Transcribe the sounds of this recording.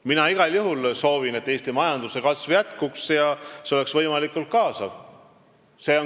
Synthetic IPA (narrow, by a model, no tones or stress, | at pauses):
minɑiɡ̥ɑljuɦulso̞ːvine̞t̪ːeːst̪imɑjɑnd̪̥use̞kɑsvjæt̪kuksjɑseo̞le̞ksvɤjmɑlikːˑult̪̚kɑːsɑv | se̞o